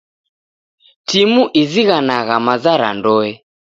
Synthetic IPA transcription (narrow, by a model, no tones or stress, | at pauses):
timuʔiziɣanaɣamazaɾa̰ndɔɛ